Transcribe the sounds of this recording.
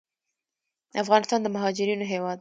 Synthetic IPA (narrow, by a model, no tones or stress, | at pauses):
afɣɑnɪst̪ɑnd̪əmaɦɑd͡ʒɪɾinoɦewɑd̪